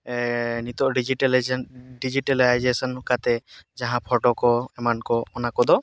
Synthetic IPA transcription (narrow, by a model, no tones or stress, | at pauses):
nit̪ɔʔɖid͡ʒiʈlɖid͡ʒiʈelajd͡ʒesɔnkat̪ɛd͡ʒaɦãpʰɔʈɔkɔɛmankɔɔnakɔd̪ɔ